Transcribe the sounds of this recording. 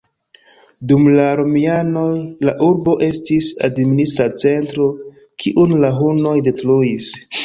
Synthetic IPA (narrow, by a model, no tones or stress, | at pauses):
dumlaɾomiano̞jlaʔuɾbo̞ʔe̞stisa̰dministɾat͡se̞ntɾo̞ | kʰiʔunlaɦuno̞jde̞tluis